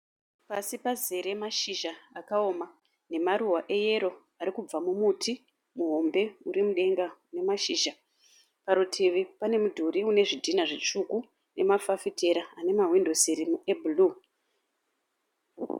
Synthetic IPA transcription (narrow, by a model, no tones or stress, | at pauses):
pasipaze̞ɾe̞maʃiʒaakao̞ma | ne̞maɾuwaʔe̞je̞ɾo̞ | aɾikub͡vamumutʰi | muɦo̞mbe̞uɾimuɗe̞ŋɡane̞maʃiːʒa | paɾutʰiʋipane̞mudʱuɾiune̞ʐidʱinaʐit͡ʂuku | nʔe̞mafafite̞ɾaane̞maɦwindo̞siɾimuebulu